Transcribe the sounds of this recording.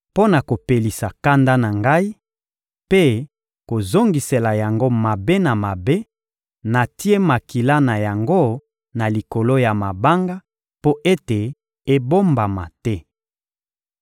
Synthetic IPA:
po˦na˨ko˨pe˨li˨sa˨ka˦nda˦na˨ŋɡa˦i˦ | pe˦ | ko˨zo˦ŋɡi˨se˨la˨ja˨ŋɡo˦ma˨be˦na˨ma˨be˦ | na˨ti˦e˦ma˨ki˨la˦na˨ja˨ŋɡo˦ | na˨li˨ko˨lo˦ja˨ma˨ba˦ŋɡa˦ | po˦ʔe˦te˨ | e˦bo˦mba˨ma̰˨tɛ˦

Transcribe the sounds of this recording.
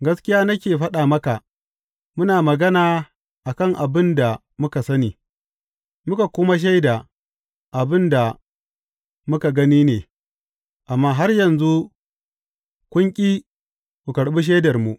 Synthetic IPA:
ɡɐ˦skʲɪ˦jaː˦nɐ˦kʲeː˨ɸɐ˦ɗaː˨mɐ˦ka˨ | mʊ˦naː˨mɐ˨ɡɐ˦naː˨ | ʔa˨kɐ˦˨ŋʔa˨bɪ˦nda˨ | mʊ˦ka˨sɐ˦niː˨ | mʊ˦ka˨kʷʊ˦ma˦ʃ̬a˦jda˨ | ʔa˨bɪ˦nda˨ | mʊ˦ka˨ɡɐ˦niː˦neː˨ | ʔa˨mːaː˦ɦa˦rjɐ˨nzu˦ | kʷʊ˦ŋkʲʼiː˦ | kʷu˨kɐ˨ɽɓi˦ʃ̬eː˦dɐ˨rmu˨

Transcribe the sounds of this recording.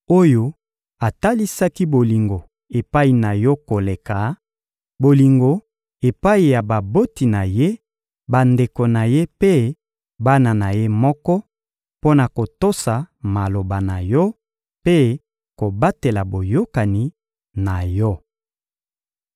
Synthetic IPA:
o˦jo˦ | a˨ta˦li˦sa˦ki˦bo˨li˨ŋɡo˨ | e˨pa˦i˨na˨jɔ˦ko˨le˨ka˨ | bo˨li˨ŋɡo˨ | e˨pa˦i˨ja˨ba˨bo˦ti˨na˨je˦ | ba˨nde˨ko˨na˨je˦pe˦ | ba˦na˨na˨je˦mɔ˦kɔ˦ | po˦na˨ko˨to˦sa˨ma˨lo˨ba˨na˨jɔ˦ | pe˦ | ko˨ba˦te˨la˨bo˨jo˦ka˨ni˨˦ | na˨jɔ˦

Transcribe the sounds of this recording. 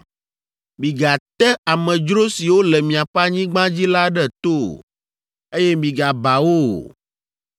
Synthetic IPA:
mĩ˨ɡa˨t̪ɛ˦a˨mɛ̃˨d͡ʒɾo˦si˨wo˦lɛ˨mĩ˨a˨ɸa˦ɲĩ˦ɡ͡bã˦d͡ʑi˦la˦ɖɛ˦t̪o˦˨ | e˦jɛ˦mĩ˨ɡa˨ba˨wo̰˦˨

